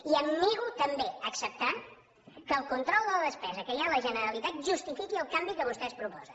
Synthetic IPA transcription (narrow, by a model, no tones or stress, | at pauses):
iəmːiɣut̪əmbeəksəp̚t̪an | kəːlˠkunt̪ɾɔlˠd̪ələðəspɛzəkəjaləʒənəɾəlit̪at̪ʒust̪ifikiəlˠkambikəβust̪ɛspɾupɔ̰zə